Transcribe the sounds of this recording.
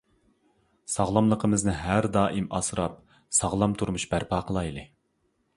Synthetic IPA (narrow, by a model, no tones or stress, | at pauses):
sɑʁlˠɑmlˠəqʰəmɨznɨɦæɾd̪ɑːʔimɑsɾɑp̚ | sɑʁlˠɑmt̪ʰuɾmuʃbæɾpʰɑːqʰəlˠɑjlˠɨ